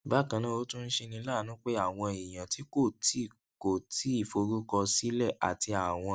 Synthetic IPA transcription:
ba˨˦˨kã˧nã˦o˦tũ˦n̩˦ʃe˧nĩ˧˦la˦˨nũ˨˦k͡pe˦a˦˨w̃ɔ̃˧i˨j̃ã˨ti˦ko˦˨tʰi˨˦˨ | ko˨ti˨˦i˦˨fo˨˧ɾu˦kɔ˧si˦lɛ˦˨ʔa̰˨ti˧a˨w̃ɔ̃˧

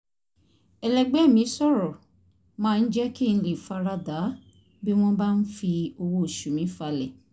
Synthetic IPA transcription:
ɛ˨lɛ˨ɡ͡bɛ˨˦˨mĩ˨˦sɔ˦˨ɾɔ˨ | mãː˦˧n̩˦d͡ʒɛ˦ki˦˨ñ̩˧li˨fa˧ɾa˧da˨˦ | bi˦w̃ɔ̃˦ba˦n̩˦fi˧o˧wo˦˨ʃu˨mĩ˨˦fa˧lɛ˨

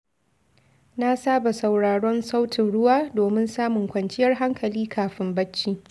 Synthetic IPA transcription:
na˦saː˦ba˨sa˨wɽaː˨ɽɔ˦nsa˦wtɪ˨nɽʊ˦waː˦doː˨mɪ˦nsaː˦mʊ˨ŋkʷɐ˨nt͡ʃɪ˦jɐ˦rɦa˦ŋkʰɐ˨liː˦kʰaː˨ɸɪ˦mbɐ˦t͡ʃːiː˦

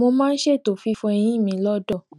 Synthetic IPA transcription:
mo˧mãː˦˧n̩˦ʃe˦˨to˨fi˨˧˦fũ˧ɛ˧j̃ĩ˦mĩ˨˦lɔ˦dɔ˦˨

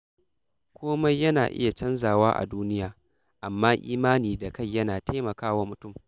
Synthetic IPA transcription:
kʷoː˦mɐ˦jjːɐ˦na̰ː˨ʔɪ̰˦ja˨t͡ʃɐ˦nzaː˨waː˦ʔa̰˨duː˦nɪ˦jaː˨ | ʔa˨mːaː˦ʔiː˦maː˦niː˨da˨ka˦˨jːɐ˦naː˨ta˦mɐ˨kaː˦waː˦mʊ˨tʊ˦˨m

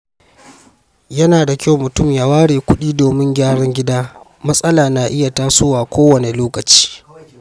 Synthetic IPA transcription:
jɐ˦naː˨da˨kʲa˦wmʊ˨tʊ˦˨mjaː˦waː˦ɽeː˨kʷʊ˦ɗiː˦doː˨mɪ˦ŋɡʲaː˦ɽɐ˦ŋɡʲɪ˦daː˦ | mɐ˦sʼɐ˦laː˨na˨ʔɪ˦ja˨taː˦sʊː˦waː˨kʷʰoː˦wɐ˨ne˨loː˦kɐ˨t͡ʃi̥ː˦

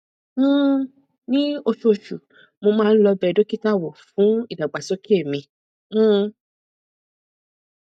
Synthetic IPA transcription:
m̩˦˨ | nĩ˦o˧ʃu˧o˧ʃu˨ | mo˧mãː˦˧n̩˦lɔ˧bɛ˦˧˨do˦ki˦ta˦˨wɔ˨fũ˨˦i˦˨da˨ɡ͡ba˨so˦ki˦e˦˨mĩ˧˦˨

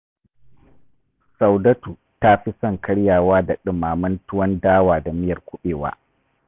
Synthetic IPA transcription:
sɐ˨wdɐ˦tuː˨ | ta˦ɸi˦sɐ˦˨ŋkʰɐ˦ɽjaː˨waː˦da˨ɗɪ˨mːaː˨mɐ˦ntʊ˦wɐ˦ndaː˦waː˨da˨mɪ˦jɐ˨rkʷʊ˦ɓeː˨wa̰ː˦

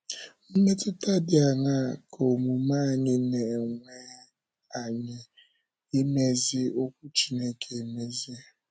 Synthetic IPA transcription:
n̩˦me˦tʊ˦ta˦dɪ˨a˨ŋa˦˨kʰo˨mu˨ma˦˨ɲɪ˦ne˨ŋʷe˦ | a˨ɲɪ˨ | e˦me˦zɪ˦o˦kʷʊ˦t͡ʃi˦ne˦kʰe˨e˨me˦zi˦

